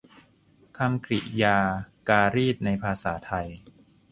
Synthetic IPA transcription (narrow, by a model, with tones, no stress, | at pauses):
kʰa˧mkʰɾḭ˨˩ʔjaː˧kaː˧ɾiː˥˩t̪̚na˧jpʰaː˧sa̰ː˩˦t̪ʰa˧j